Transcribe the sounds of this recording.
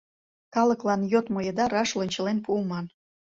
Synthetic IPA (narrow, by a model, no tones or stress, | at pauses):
kɑləklɑnjot̪mojəd̪ɑɾɑʃlənʲt͡ɕə̆lenpuːmɑn